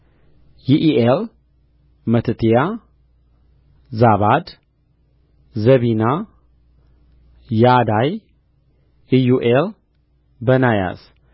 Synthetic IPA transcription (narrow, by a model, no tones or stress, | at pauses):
jiʔiʔel | mət̪ʰət̪ʰija | zaβad̪ | zəβina | jad̪aj | ijuʔel | bənaja̰s